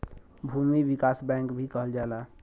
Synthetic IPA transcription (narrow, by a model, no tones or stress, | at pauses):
bʱuːmiwɪkaːsbɛ̃ːŋkbʱikəɦəld͡ʒaːlaː